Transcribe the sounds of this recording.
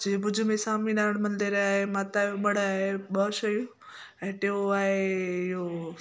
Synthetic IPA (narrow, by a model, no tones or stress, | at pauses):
d͡ʑiːbʊd͡ʑʱʊmẽsaːmĩɗaːɪɽ̃mɐ̃nd̪eɾaːɦemaːt̪ajoɓɐɽ̤aːɦeɓɐʃɐjũ | ɛ̃ːʈeoaːɦeɪɦo